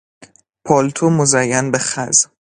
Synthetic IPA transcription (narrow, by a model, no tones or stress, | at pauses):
pʰɒːlt̪ʰomozæjːænbeχæz